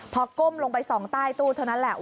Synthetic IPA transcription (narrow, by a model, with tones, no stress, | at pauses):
pʰɔ˧ko˥˩mlo˧ŋpa˧jsɔː˩˦ŋt̪aː˥˩jt̪uː˥˩t̪ʰa˥˩wna˦˥nlɛ˨˩ʔ